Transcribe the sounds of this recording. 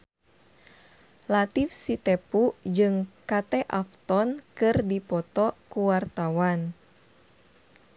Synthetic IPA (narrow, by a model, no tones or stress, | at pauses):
lat̪ifsit̪ɛpud͡ʒɨŋkat̪ɛʔaft̪ɔnkɨrdipɔt̪ɔkuwart̪awan